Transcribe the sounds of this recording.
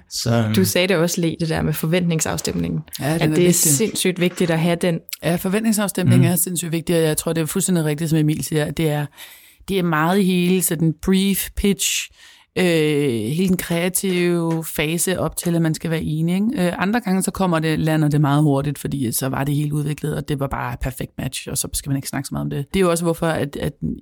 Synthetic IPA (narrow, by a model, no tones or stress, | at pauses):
sɒd̥usɛːɾeɒ̽slḭːdd̥e̝d̥ɛɐmefɒ̽ʋen̰d̥ne̝ŋsɑ̈ʊsd̥emne̝ŋn̩jædnæɐ̥e̝æeɡsse̝n̰sy̰ːd̥ʋe̝ɡ̥̚d̥iɾ̥ɒɦæd̥en̰jæfɒ̽ʋend̥ne̝ŋsɑ̈ʊsd̥em̰ne̝ŋ̩æɐse̝n̰sy̰ːd̥ʋe̝ɡ̥̚d̥iɒjɑ̈ɪt͡sʰʁo̝ɐ̰de̝æɐfulstend̥iʁeɡ̥d̥isɒ̽mjɑ̈me̝̰ːlsiːɐæd̥e̝æɐ | d̥e̝æɐmɑ̈ːð̞̩ˠiɦe̝ːləsɒ̽d̥n̩b̥ʁifpʰid̥ɕ | øhe̝ːləd̥enkʰʁɛæt͡sʰiʊʊfɛːsəʔɒ̽b̥̚t͡sʰe̝læmænsɡ̥æʋæːɐʔe̝ːnieɡøʔɑ̈nd̥ʁɐɡ̥ɑ̈ŋəsɒ̽kʰɒ̽m̰ɐd̥e̝lænɐd̥e̝mɑ̈ːð̞̩ˠɦo̝ɐdid̥fɒ̽d̥ḭːsɒ̽ʋɑ̈d̥e̝he̝ːləuð̞ˠʋe̝ɡ̥ləð̩ˠɒ̽d̥e̝ʋɑ̈b̥ɑ̈ːpʰæɐfeɡ̥̚d̥̚mæd̥ɕɒ̽sɒ̽sɡ̥æmæne̝ɡ̥snɑ̈ɡ̥smɑ̈ːð̩ˠɒ̽md̥e̝d̥e̝joɒ̽səʋɔfɒ̽æd̥æ̥